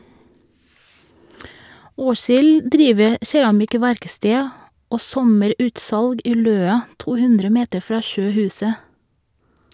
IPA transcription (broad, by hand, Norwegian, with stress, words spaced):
ˈoːsɪl ˈdɾiːʋə ˈʃɛɹɑmɪˌkʋæɾkstɛ ˈoː ˈsɔməˌɾʉːtsɑlɡ ˈiː ˈløːɑ ˈtuː ˈhʉndɾə ˈmeːtə ˈfɹɑː ˈʃøːˌhʉːsə